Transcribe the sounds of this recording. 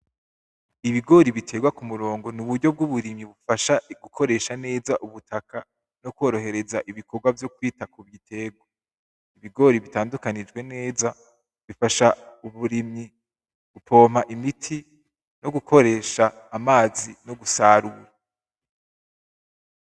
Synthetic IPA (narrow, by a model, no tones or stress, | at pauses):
iβiɡo̞ɾiβitʰe̞ːɡwakumuɾo̞ːŋɡo̞nuβudɟo̞b̚ɡuβuɾimɲiβufaʃaɡ̥ukʰo̞ɾe̞ːʃane̞ːzaʔuβutʰakʰa | no̞kwo̞ːɾo̞he̞ɾe̞zaʔiβikʰo̞ɡwavjo̞k̚wiːtakuβitʰe̞ːɡwa | iβiɡo̞ɾiβitaːndukanid͡ʒɡwe̞ne̞ːza | βifaʃauβuɾimɲi | b̥upʰo̞ːm̥haʔimitʰi | no̞ɡukʰo̞ɾe̞ːʃaːmaːzinoɡusaːɾua